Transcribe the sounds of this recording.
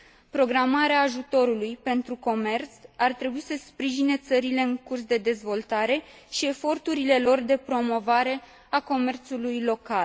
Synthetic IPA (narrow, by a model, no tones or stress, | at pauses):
pɾo̞ɡɾamaɾeaːʒut̪o̞ɾulujpe̞nt̪ɾuko̞me̞rt̪sart̪ɾe̞buisəspɾiʒine̞t̪səɾile̞ɨŋkurs̬d̪e̞d̪e̞zvo̞lt̪aɾe̞ | ʃie̞fo̞rt̪uɾile̞lo̞rd̪e̞pɾo̞mo̞vaɾe̞ | ako̞me̞rt̪sulujlo̞kal